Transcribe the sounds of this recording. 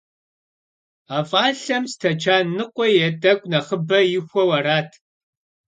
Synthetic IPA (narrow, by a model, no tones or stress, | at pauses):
aːfʼaːɬɐmstʰɐt͡ʃʰaːnɨqʷʼɔjɛdʼɐɡʷʼnɐχəbɐjɪxʷɔwɐraːtʰ